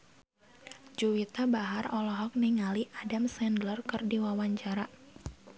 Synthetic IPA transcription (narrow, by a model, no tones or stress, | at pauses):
d͡ʒuwit̪abaɦarɔlɔɦɔk̚niŋaliʔadamsɛndlərkɨrdiwawaɲt͡ʃaɾa